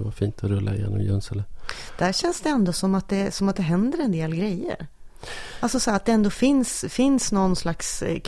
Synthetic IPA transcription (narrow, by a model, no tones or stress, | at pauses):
vaɾfiːnt̪ʰɔɾɵlːʔaɪjḛːnɔ̰mjɵnsɛləd̪̥æɕɛnsd̪ɛɛnd̪oːsɔmːat̪̚d̪ɛsɔmat̪̚d̪ɛɦɛnd̪əɾɛnd̪eːlɡɾɛjːə̰ɾ | alsɔsɔhæːɾat̪̚d̪ɛɛnd̪oːfɪnsfɪnsnɔnːslaksk